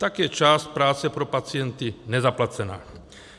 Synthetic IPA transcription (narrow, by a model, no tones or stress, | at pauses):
t̪aɡjɛt͡ʃaːst̪̚pɾaːt͡sɛpɾɔpat͡siɛnt̪inɛzaplat͡sɛna̰ː